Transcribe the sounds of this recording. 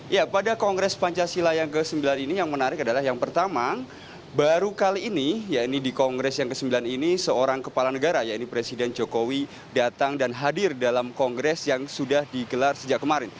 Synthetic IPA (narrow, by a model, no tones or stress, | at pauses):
japadakɔŋɡɾɛspaɲt͡ʃasilajaŋkəsəmbilaninijaŋmənaɾɪkadalaɦjaŋpərt̪ama | baɾukaliːnijainidikɔŋɡɾɛsjaŋkəsəmbilaninisəoɾaŋkəpalanəɡaɾajainipɾesidɛnd͡ʒokowi | dat̪aŋdanɦadɪrdalamkɔŋɡɾɛsjaŋsudahdiɡəlarsəd͡ʒaʔkəmaɾɪn